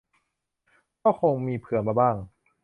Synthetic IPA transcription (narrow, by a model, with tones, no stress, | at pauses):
kɔː˥˩kʰoː˧ŋmiː˧pʰɯ˨˩˦ənmaː˧baː˥˩ŋ